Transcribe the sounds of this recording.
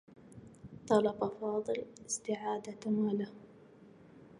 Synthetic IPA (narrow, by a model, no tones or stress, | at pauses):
t̪ˤɑlɑbʔɑfɑːðˤɨlɪst̪ɪʕaːd̪at̪amaːla